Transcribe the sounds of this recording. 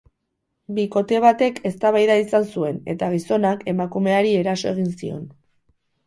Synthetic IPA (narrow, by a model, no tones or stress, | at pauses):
biko̞t̪e̞β̞at̪e̞kʰe̞st̪aβajðaisansue̞ne̞t̪aɣ̞iso̞nake̞makume̞aɾie̞ɾaso̞e̞ɣ̞insio̞̰n